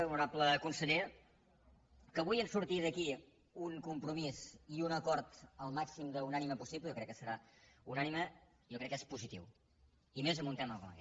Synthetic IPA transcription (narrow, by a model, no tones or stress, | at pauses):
uɾapləkunsəʎe | kəβujənsuɾt̪iðəki | uŋkumpɾumiziunəkɔɾt̪əlˠmaksimd̪əunaniməpusipləjɔkɾɛkːəsəɾaunanimə | jokɾɛkːespuzit̪ḭw | imezəmunt̪ɛməlˠkɔ̰ə̰kɛ